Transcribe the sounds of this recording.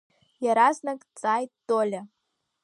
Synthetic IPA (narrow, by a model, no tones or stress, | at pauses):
jɑɾɑznɤ̆kt͡sɑjt̪olʲɘ̆